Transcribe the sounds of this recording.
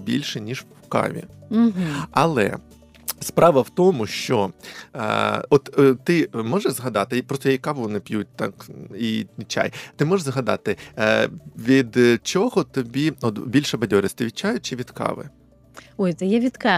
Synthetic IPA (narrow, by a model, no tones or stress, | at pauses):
bʲḭlʲʃɛnʲiʒwwkɑ̰ʋʲḭɦ̩ɐlˠɛ̰ | spɾɑʋɐwt̪ɔmʊʃt͡ʃɔ̰ | ɔt̪t̪ɪmɔʒɛzɦɐd̪ɑt̪ɪpɾɔst̪ɔjkkɑʋʊnɛpjut̚ʲt̪ɑ̰kit͡ʃa̰jt̪ɪmɔʒzɦɐd̪ɑ̰t̪ɪ | ʋʲid̪t͡ʃɔɦɔt̪ɔbʲiɔt̪bʲilʲʃɛbɐdʲɔɾʲɪsʲt̪ɪʋʲit͡ʃːajʊt͡ʃɪʋʲid̪kɑ̰ʋɪ̰ | ɔjt̪sɛjɛʋʲid̪kɑ